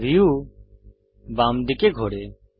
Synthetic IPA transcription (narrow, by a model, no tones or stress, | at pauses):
ɾiːjuː | baːmɖ̪ɪkeːɡʱoːɽeː